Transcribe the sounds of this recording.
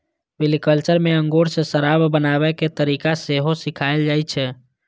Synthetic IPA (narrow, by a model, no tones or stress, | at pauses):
ʋɪlikəlt͡ʃəɾmẽə̃ŋɡoːɾsesəɾabbənaʋɛket̪əɾiːkaseɦosikʰaːeld͡ʒaːjt͡ʃʰɛ